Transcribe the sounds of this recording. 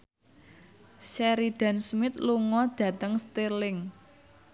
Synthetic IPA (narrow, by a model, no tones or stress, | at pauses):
ʃɛɾiɖ̥a̤nsmɪt̪luŋɔd̥ä̤t̪əŋst̪elɪŋ